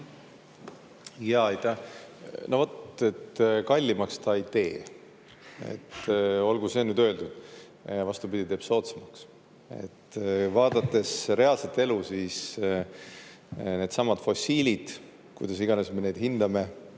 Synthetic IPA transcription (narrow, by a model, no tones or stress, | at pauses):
jɑːejt̪ˑæ | novot̪e̞t̪kɑlʲːimɑkst̪ɑijt̪e̞ː | e̞̰t̪ːo̞lɡuse̞nyːd̪øeld̪ud̪̥ | vɑst̪ubid̪̥ʲit̪e̞ːb̥so̞ːt̪semɑks | e̞̰t̪ːvɑːd̪̥ɑt̪ːˑe̞sɾe̞ɑlset̪ːe̞lusiːs | ne̞ːd̪̥sɑmːɑd̪̥fo̞sʲiːlʲid̪̥ | kujd̪̥ɑsiɡ̥ɑne̞sme̞ne̞ːd̪hind̪̥ɑme̞